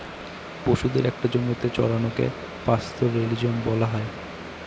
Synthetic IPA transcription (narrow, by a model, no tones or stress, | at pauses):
boʃud̪eɾɛk̚ʈad͡ʑonot̪et͡ɕɔ̰ɾanokḛ | past̪ʰoɾelid͡ʑonbɔlaɦɔe